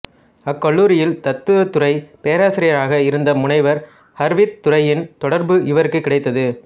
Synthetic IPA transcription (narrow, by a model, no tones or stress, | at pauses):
ɐkːɐɭːuːɾɪjɪlt̪ɐt̪ːɯʋɐt̪ːʊrɐɪpeːɐɾaːsɪɾɪjɐɾaːɣɐɪɾɯnd̪ɐmʊɳɐɪʋɐɾ | hɐɾʋɪtt̪ːʊɾɐjɪnt̪ɔɽɐɾbɯʔɪʋɐɾɯkːɯkːɪɽɐɪt̪ːɐðɯ